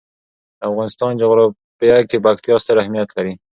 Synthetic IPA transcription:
afɣɑnɪst̪ɑnd͡ʒʊɣɾɑ | pəjakebakt̪ijɑst̪aɾahmijat̪laɾi

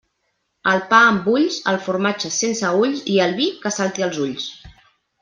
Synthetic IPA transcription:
əlˠpaəmbuʎsə̰lˠfuɾmat͡ʃəsensəuʎsiəlˠβikəsalˠt̪iəlˠzuʎs

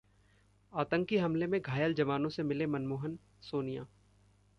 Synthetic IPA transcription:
aːt̪ə̃ŋkiɦɐmlemẽɡʱaːjəld͡ʒɐʋaːnõsemɪlemɐnmoːɦən | soːnija̰ː

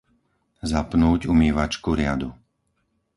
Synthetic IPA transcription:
zapnuːɟumiːʋat͡ʃkuɾɪad̪u

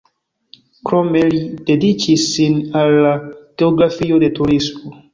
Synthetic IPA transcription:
kɾomelid̥edit͡ʃisːinalːaɡ̥eoɡɾafiodet̪uɾismo

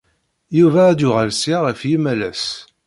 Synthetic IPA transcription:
juvæːd̪ʊʁəlsiʁəfjimælæ̰s

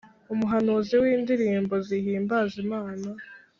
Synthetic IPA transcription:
umuɦanuziwiːndiɾiːmbo̞zihiːmbazimaːna

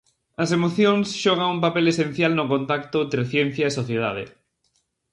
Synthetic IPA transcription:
ɐsemoθjoŋsʃɔɣ̞aŋumpapelesen̟θjalnʊkõnt̪akt̪ʊnt̪ɾeθjɛn̟θjɐesoθjeða̰ðḛ

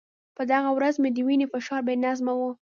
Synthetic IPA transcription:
pəd̪aɣawɾazmed̪əwinefɪʃɑɾbenazmawu

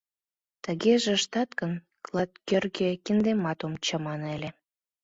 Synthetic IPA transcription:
t̪əɣeʒĕʃt̪ɑt̪kən | klˠɑt̪̚kørɣekind̪emɑt̪omt͡ɕəmɑnelʲe

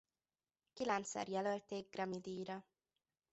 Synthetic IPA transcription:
kilɛnt̪sɛ̰rjɛlølt̪eːɡ̚ɡrɒmid̪iːjɾɒ

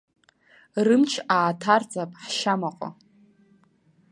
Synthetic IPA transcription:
rɨmt͡ʃʰaːtʰart͡sʼapʼħʃamaqʷʼa̰

